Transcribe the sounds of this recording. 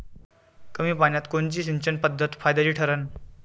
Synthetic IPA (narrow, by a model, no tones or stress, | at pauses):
kəmiːpaɳjat̪kont͡ɕiːɕint͡ɕənpəd̪ʱːət̪fajd̪aliːʈʰəɾən